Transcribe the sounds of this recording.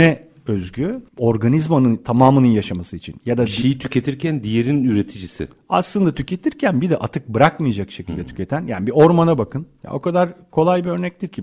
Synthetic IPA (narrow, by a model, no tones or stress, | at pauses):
ɛ | øzɟyo̞ɾɡanizmanɯnt̪ʰamaːmɯnɯnjaʃamasɯit͡ʃʰḭnjad̪aʃejit̪ʰy̥cʰe̞t̪ʰiɾcʰænd̪ijeɾinyɾe̞t̪ʰid͡ʒisɪ̰ | a̰slˠɯnd̪at̪ʰycʰe̞t̪ʰiɾcʰænbid̪ɛʔat̪ʰɯk̚bɯɾakmɯjad͡ʒakʃe̞cʰilʲd̪ɛt̪ʰy̥cʰʲe̞t̪ʰænjaːnibio̞ɾmanabakʰɯnja̰o̞kʰad̪aɾkʰo̞lˠajbiø̞ɾnɛc̚t̪iɾcʰi